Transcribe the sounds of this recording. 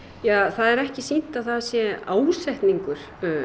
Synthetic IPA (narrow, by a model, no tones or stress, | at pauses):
jaːθaðɛɾɛhcɪsin̥t̪aðθasjɛaːwsɛjht̪niŋkʏɾ̥